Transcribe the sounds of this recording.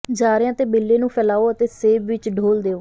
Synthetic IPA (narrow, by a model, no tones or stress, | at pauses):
d͡ʒaːɾãːt̪eːbeːlːeːnũːpʰɛːlaːoːət̪eːseːbʋɪt͡ʃɖʱoːld̪eːoː